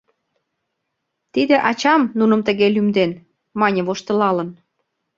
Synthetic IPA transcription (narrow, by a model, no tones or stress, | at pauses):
t̪id̪ĕʔɑt͡ɕɑmnunə̆mt̪ə̆ɣelymd̪en | mɑnʲə̆βoʃt̪ə̆lɑlə̆n